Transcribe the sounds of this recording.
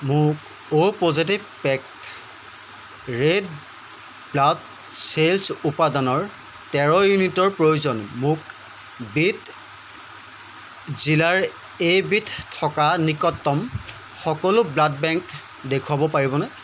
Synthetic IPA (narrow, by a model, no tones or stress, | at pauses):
mʊk̚ | opozitibpɛk̚t | ɹed̚ | blad | selsupadanɔɹ | tɛɹɔjunitɔɹpɹojuzɔnmʊk | bit | zilaɹ | ejbitʰtʰːɔkanikɔtːɔm | xɔkɔlʊblad̚bɛŋk | dekʰwabɔpaɹibɔnɛ